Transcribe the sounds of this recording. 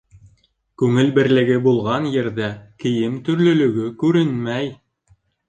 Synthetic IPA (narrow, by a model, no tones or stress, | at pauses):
kʉŋɘlbɘ̆ɾlɘ̆ɡɘbulˠʁɑnjɘ̆ɾðækɘ̆jɘmt̪ɵ̆ɾlɵ̆lɵ̆ɡɵkʉɾɘnmæj